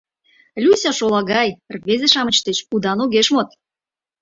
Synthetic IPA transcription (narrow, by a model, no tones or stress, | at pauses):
lʲusʲɑʃolɑɣɑjrβezeʃɑmət͡ɕt̪et͡ɕud̪ɑnoɣeʃmot̪̚